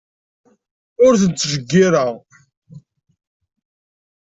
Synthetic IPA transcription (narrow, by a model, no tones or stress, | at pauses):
ʊɾθənt͡s̪ːʒəɡːiɾaʁ